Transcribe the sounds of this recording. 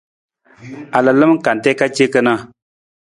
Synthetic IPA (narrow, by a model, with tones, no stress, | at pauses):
a˨lə˨lɨ˦m˦ka˨n˨tɛ˦ka˦t͡ʃe˦kə˦na˦